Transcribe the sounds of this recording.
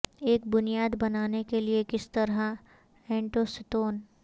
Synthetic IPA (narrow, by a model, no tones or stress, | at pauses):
eːk̚bʊnijaːd̪bɐnaːnekeliekɪst̪ɐɾɦa | ɛ̃ːɳʈosɪt̪oːn